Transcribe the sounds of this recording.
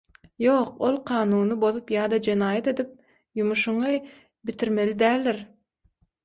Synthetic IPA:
jo̞ːq̚o̞lˠqʰɑːnuːnɯbo̞ðupjɑːd̪ɑd͡ʒe̞nɑːjɑt̪e̞d̪ip̚ | jumuʃuɴɯ | bit̪ʰiɾme̞lid̪æːlʲːeɾ

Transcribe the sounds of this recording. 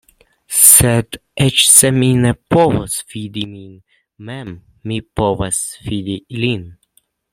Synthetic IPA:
sɛd̪ʔɛt͡ʃsɛminɛpovosfid̪imin | mɛmː | ipovasfid̪ilin

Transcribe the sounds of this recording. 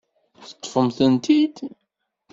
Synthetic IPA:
θət̪ˤːfəmθənt̪id̪

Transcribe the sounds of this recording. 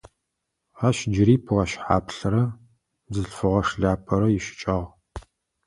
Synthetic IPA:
aːʃd͡ʒɪɾiːpʰʁɐʃħa̰ːpʰɬɐɾɐ | zɨɬfɨʁɐʂɮaːpʰɐɾɐjiʃɪ̥t͡ʃʼɐʁ

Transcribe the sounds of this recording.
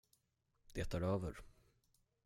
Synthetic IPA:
d̪̥eːt̪ʰaɾøːvəɾ

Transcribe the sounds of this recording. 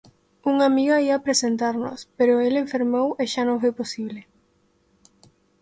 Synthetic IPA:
uŋamiɣoaiapɾesent̪aɾno̰speɾoeleɱfeɾmoweʃanõŋfojposiβle

